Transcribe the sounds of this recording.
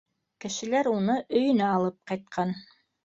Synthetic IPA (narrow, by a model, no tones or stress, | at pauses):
kɘ̆ʃɘ̆læɾunɤʔɵ̆jɵ̆næɑlˠɤp̚qɑjt̪̚qʰɑn